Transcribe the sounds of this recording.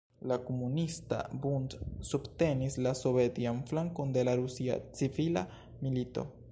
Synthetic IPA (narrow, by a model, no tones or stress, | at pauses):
lakomunista̰buntsubte̞nislasovetianflaŋko̞nde̞laɾusia̰t͡sivila̰ | milito̞̰